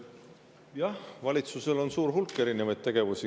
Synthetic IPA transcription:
jɑhvɑlʲit̪suse̞lo̞nsuːɾɦulkːe̞ɾinevɑjd̪t̪̚t̪e̞ɡ̥e̞vusi

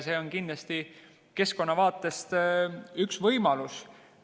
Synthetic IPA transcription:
se̞ːo̞nkind̪lɑst̪i | ke̞sko̞nːɑvɑːt̪ːˑe̞st̪yksvɤjmɑlus

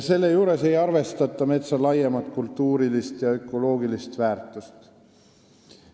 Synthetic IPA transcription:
se̞lːe̞juːɾe̞se̞jɑrve̞st̪ɑt̪ːˑɑme̞t̪sɑlɑjemɑt̪ˑkult̪ːuːɾilist̪jɑø̞kːˑo̞lo̞ːɡilist̪væːrt̪ˑust̪

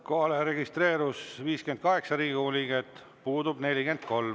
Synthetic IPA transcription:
ko̞ɦɑleɾe̞ɡ̥ist̪re̞ːɾusviːskend̪̥̚kɑɦe̞ksɑɾiːɡiulʲiɡ̥et̪ːˑ | puːd̪ub̥ne̞lʲiɡe̞nd̪̥̚ko̞lm

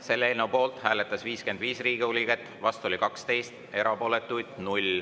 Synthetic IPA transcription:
se̞lːeeːlnewpo̞ːlt̪hæːlet̪ːˑɑsviːske̞nd̪viːsriːɡ̥iulʲiɡ̥et̪ːˑvɑst̪uo̞lʲikɑkst̪e̞jst̪ | e̞ɾɑpo̞ːle̞t̪ːˑujd̪̥nulʲ

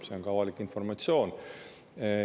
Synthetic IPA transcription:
se̞o̞nŋkɑvɑlikːˑinfo̞rmɑt̪sjo̞ːn

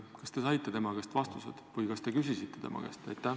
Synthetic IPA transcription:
kɑst̪e̞sɑjt̪ːˑe̞t̪e̞mɑkest̪vɑst̪usḛd̪̥vɯjkɑst̪e̞kys̬isit̪ːe̞t̪e̞̰mɑ̰kḛst̪ɑjt̪ˑːæ

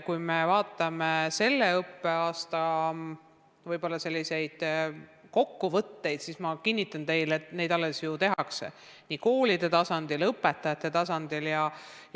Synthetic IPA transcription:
kujmevɑːt̪ːˑɑmese̞lːe̞ɤpːe̞ɑːst̪ɑ | vɤjbo̞lːɑse̞lʲːise̞jd̪̥ko̞kːuvɤt̪ːe̞jd̪̥sismɑkinʲːit̪ːˑɑnt̪e̞jlet̪ne̞jd̪ɑlːesjut̪e̞ɦɑksḛ | niːko̞ːlid̪e̞t̪ɑsɑnd̪ilɤpːˑet̪ːˑɑjɑt̪ːˑe̞t̪ɑsɑnd̪̥iljɑj

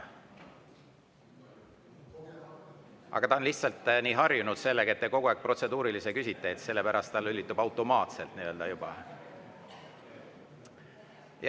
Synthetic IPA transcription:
ʔɑ̰ɡ̥ɑt̪ɑonliht̪sɑlt̪ːniːɦɑrjunud̪̥se̞lːeɡɑe̞t̪ːeko̞ɡ̥uæːk̚pro̞t̪se̞d̪uːɾilise̞kysit̪ːˑeet̪se̞lːe̞pæɾɑst̪t̪ɑlːylʲːit̪ːˑubɑwt̪ːˑo̞mɑːt̪se̞lt̪niø̞ld̪ɑjub̥ɑ̰ | j

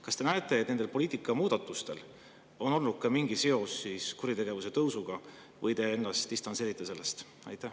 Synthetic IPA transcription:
kɑst̪e̞næe̞t̪ːˑe̞t̪̚nend̪elpo̞lʲiːt̪ikːˑɑmuːd̪̥ɑt̪ːˑust̪e̞̰l | o̞no̞lnut̪̚kːɑmiŋɡ̥ise̞o̞sːiskuɾit̪e̞ɡ̥e̞vuse̞t̪ɤwsuɡ̥ɑ | vɤjt̪e̞enːɑst̪d̥̪ist̪ɑnse̞ːɾit̪ːese̞lːe̞st̪ | ɑ̰jt̪ˑːæ

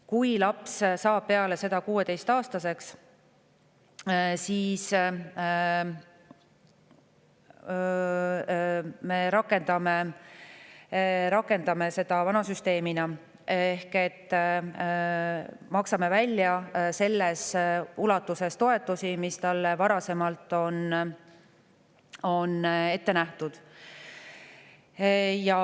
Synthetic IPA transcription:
kujlɑpssɑːb̥̚pe̞ɑle̞se̞d̪ɑkuːe̞t̪e̞jst̪ɑːst̪ɑse̞ks | siːs | me̞ɾɑkːˑe̞nd̪̥ɑme | ɾɑkːˑe̞nd̪̥ɑme̞se̞d̪̥ɑvɑnɑsyst̪e̞ːminɑ | ehke̞t̪ːˑ | mɑksɑme̞vælʲːjɑse̞lːesulɑt̪ːˑuse̞st̪o̞e̞t̪ːˑusimist̪ɑlːe̞vɑɾɑse̞mɑlt̪ˑːo̞n | o̞ne̞t̪ːe̞næht̪ud̪̥ | jɑ

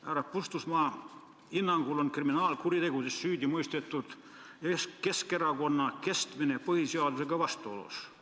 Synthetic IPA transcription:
æːɾɑpust̪usmɑː | hinːɑŋɡ̥ulonkriminɑːlkuɾit̪e̞ɡud̪esːyːd̪ʲimujst̪et̪ˑːud̪̥ | eske̞ske̞ɾɑko̞nːɑke̞st̪minepɤhiseɑd̪useɡ̥ɑvɑst̪uolṵs

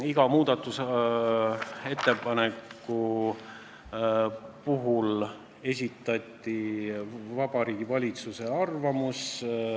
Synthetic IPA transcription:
iɡ̥ɑmuːd̪̥ɑt̪ːˑus | e̞t̪ːˑe̞pɑnekːu | puɦul | e̞s̬ʲit̪ːˑɑt̪ʲːˑi | vɑbɑɾiːɡ̥ivɑlʲit̪suse̞ɑrvɑmus

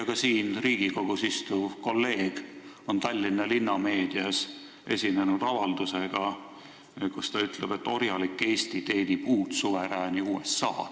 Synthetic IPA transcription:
jɑkɑsiːnriːɡ̥iko̞ɡ̥usist̪uvko̞lːe̞ːɡ̥ | o̞nt̪ɑlʲːinːɑlinːɑme̞ːd̪̥iɑs | ʔe̞sʲinenud̪̥ɑvɑld̪̥useɡ̥ɑ | kust̪ɑyt̪leb̥e̞t̪ːo̞rjɑlikːe̞ːsʲt̪it̪e̞ːnipuːt̪suveɾæːniuːesːɑ̰ː

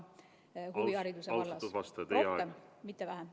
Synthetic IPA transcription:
huviɑɾid̪̥useɑlːɑsuvɑst̪ɑt̪ejeɑemit̪ːevæɦæm

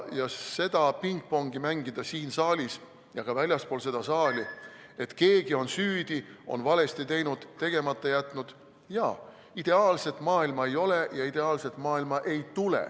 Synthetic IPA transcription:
jɑse̞d̪̥ɑpiŋk̚po̞ŋɡimæŋɡid̪̥ɑsiːnsɑːlʲis | jɑɡ̥ɑvælʲjɑspoːlse̞d̪̥ɑsɑːlʲi | e̞t̪ke̞ːɡ̥io̞nsyːd̪̥io̞̰nvɑle̞st̪it̪e̞jnud̪̥t̪ːe̞ɡ̥e̞mɑt̪ːˑɑjæt̪ˑnud̪̥ | jɑ̰ː | id̪̥e̞ɑːlse̞t̪ːˑmɑːilmɑe̞jo̞le̞jɑid̪e̞ɑːlset̪ːˑmɑːilmɑʔe̞jt̪ulḛ

